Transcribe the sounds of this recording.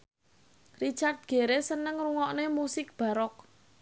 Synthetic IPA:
rit͡ʃart̪̚ɡ̥e̤ɾesənəŋruŋɔʔnemusɪk̚b̥ä̤ɾɔk̚

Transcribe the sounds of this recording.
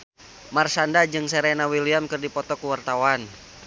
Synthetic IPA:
marsandad͡ʒɨŋseɾenawiliamkɨrdipɔt̪ɔkuwart̪awan

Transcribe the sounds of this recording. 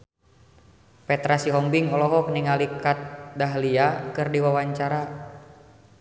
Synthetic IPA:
pɛt̪ɾasiɦɔmbiŋɔlɔɦɔk̚niŋalikat̪̚daɦliakɨrdiwawaɲt͡ʃaɾa

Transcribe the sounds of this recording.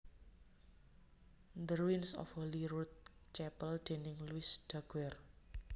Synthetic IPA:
nd̪əɾwinsɔ̰foliɾut̪̚t͡ʃɛpəld̪̥e̤nɪŋluɪsɖ̪̥aɡ̥wɛr

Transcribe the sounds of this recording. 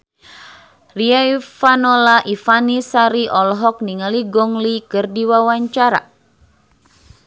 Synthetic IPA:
riafanɔlaʔifanisaɾiʔɔlɦɔk̚niŋaliɡɔŋlikɨrdiwawaɲt͡ʃaɾa̰

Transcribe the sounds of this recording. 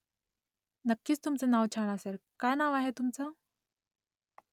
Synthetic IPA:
nəkːiːt͡st̪umt͡sanaʋt͡ɕʰaɽ̃asəɾkajnaʋaɦet̪umt͡sa

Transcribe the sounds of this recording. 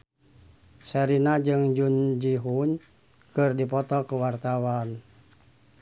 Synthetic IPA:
sɛɾinad͡ʒɨŋd͡ʒund͡ʒiɦun | kɨrdipɔt̪ɔkuwart̪awan

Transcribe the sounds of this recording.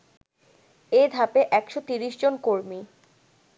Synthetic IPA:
ed̪ʱapeʔɛkʃot̪iɾiʃd͡ʑonkoɾmi

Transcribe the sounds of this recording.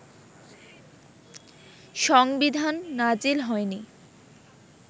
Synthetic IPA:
ʃɔŋbid̪ʱanːad͡ʑilɦɔeni

